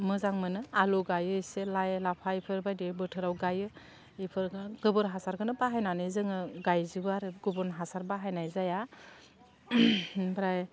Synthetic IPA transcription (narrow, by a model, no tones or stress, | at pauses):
mɯzaŋmɯnɯaluɡajɯjselajlapʰaipʰɯɾbajdeɾbɯtʰɯɾawɡajɯ | ipʰɯɾɡɡɯbɯnɦasaɾɡɯnɯbaɦajnanɯzɯŋɯɡajzibaɾɯɡubunɦasaɾbaɦajnajzaja | bɾaj